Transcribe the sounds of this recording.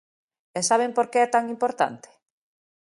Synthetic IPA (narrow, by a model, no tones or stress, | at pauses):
ɛsaβ̞empoɾkeɛt̪aŋimpoɾt̪a̰nt̪e̥